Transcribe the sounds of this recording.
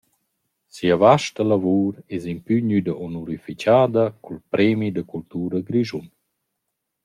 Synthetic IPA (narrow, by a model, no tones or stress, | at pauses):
siavaʃtəlavuːɾɛzimpyɲyd̪əʔɔnuɾificaːd̪əkʰulpɾɛːmid̪əkult̪uːɾəɡɾiʒun